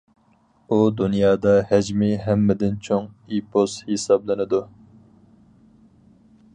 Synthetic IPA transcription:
ud̪unjɑːd̪ɑhɛd͡ʒmɪɦɛmːɪd̪ɪnt͡ʃʰoŋ | ipʰost̪hesɑblˠɨnɨd̪u

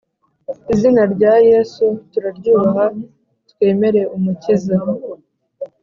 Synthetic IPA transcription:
izinaɾɟaːjesutuɾaɾɟuːɦa | twe̞ːme̞ɾe̞ʔumuciza

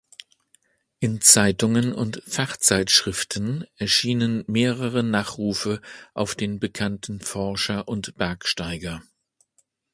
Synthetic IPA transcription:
ʔɪnt͡saɪtʊŋənʊ̰ntfaχt͡saɪtʃʁ̥ɪftʰnʔɛɐʃiːnənmeːʁəʁənaːχʁuːfəʔaʊfd̥eːnbəkʰantn̩fɔɐʃɐʔʊntb̥ɛɐkʃtaɪɡɐ

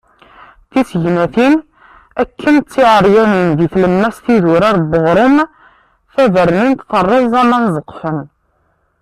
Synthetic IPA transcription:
θisəʝnæθin | ækːənt͡sːiʕəɾˤjæninðiθləmːæsθiðʊɾæɾbəʁɾˤom | θæðəɾnint̪fərˤːəðzˤæmænzˤəqːfən

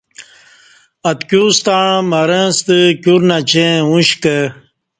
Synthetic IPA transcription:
ɐt̪kʲjust̪aɳmɐɾɐ̃st̪ɨkʲuɾnat͡ɕẽũɕkə

